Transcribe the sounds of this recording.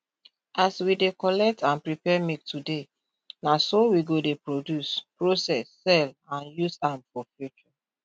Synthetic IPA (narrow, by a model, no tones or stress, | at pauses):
aswidekɔlɛk̚tʰãnpɹipɛmik̚tude | nasowiɡodepɹodjuspɹosɛsːɛlãnjusãmfɔfjut͡ʃɔ